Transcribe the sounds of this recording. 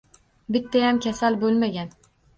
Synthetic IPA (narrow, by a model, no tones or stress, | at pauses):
bɪt̪ːajamkʲʰasalbolˠmaɡʲan